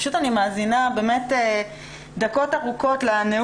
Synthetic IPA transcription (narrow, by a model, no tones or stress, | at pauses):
ʃutanimaːzinabe̞ːmete | d̪ako̞taʁuko̞tlane